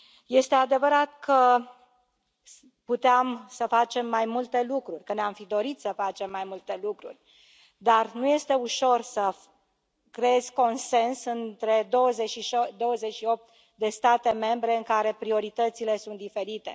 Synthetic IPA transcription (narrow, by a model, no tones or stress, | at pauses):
je̞st̪e̞ad̪e̞vəɾat̪kʰə | put̪eamsəfat͡ʃe̞mːajmult̪e̞lukɾurʲkəneamfid̪o̞ɾit̪səfat͡ʃe̞mːajmult̪e̞lukɾṵrʲ | d̪arnuje̞st̪e̞uʃo̞rsə | kɾeezʲko̞nse̞nsɨnt̪ɾe̞d̪o̞wəzeʃiʃd̪o̞wəzeʃio̞p̚t̪ | d̪e̞st̪at̪e̞me̞mbɾe̞ɨŋkaɾe̞pɾio̞ɾit̪ət̪sile̞sunt̪̚d̪ife̞ɾit̪e̞̰